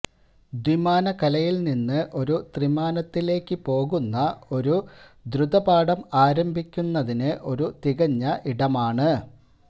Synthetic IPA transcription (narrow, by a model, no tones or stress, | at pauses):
d̪wimaːnɐkɐlɐjilninːɨʔo̞ɾut̪rimaːnɐt̪ːile̞ːkːɨpo̞ːɣunːɐo̞ɾud̪ɾud̪ɐbaːɽɐmaːɾɐmbʱikʲːunːɐðinɨʔo̞ɾut̪iɣɐɲːɐʔiɽɐmaːɳɨ